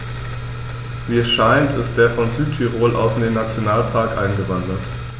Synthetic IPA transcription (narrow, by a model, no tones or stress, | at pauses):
viːɛsʃaɪntɪst̚d̥eːɐfɔnzyːtʰiʁoːlʔa̰ʊsndeːnːat͡sjonaːlpʰaɐkʔa̰ɪnɡəvandɐt